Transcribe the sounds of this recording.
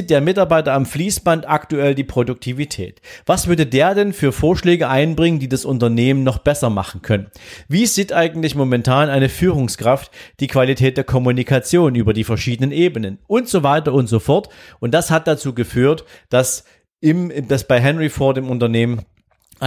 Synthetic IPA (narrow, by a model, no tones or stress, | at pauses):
t̚d̥eːɐmɪtaɐbaɪtɐamfliːsb̥antʔaktuɛldiːpʁ̥odʊk̚tʰivitʰɛ̰ːtv̥asv̥ʏɐdədeːɐdɛnfyːɐfoːɐʃlɛːɡəʔaɪnbʁɪŋəndiːdasʊntɐneːmənnɔχb̥ɛsɐma̰χn̩kʰœnənviːziːtʔaɪɡŋ̩tlɪçmomɛntʰaːnaɪnəfyːʁʊŋskʁ̥aftd̥iːkv̥alitʰɛːt̚d̥eːɐkʰɔmunikʰat͡sjoːnyːbɐdiːfɛɐʃiːdənənʔeːbənənʔʊntz̥ovaɪtɐʊntz̥ofɔɐtʔʊnt̚d̥ashat̚d̥at͡suːɡəfyːɐtd̥as | ɪmd̥asb̥aɪɦɛnʁifoːɐtdɪːmʊntɐneːmən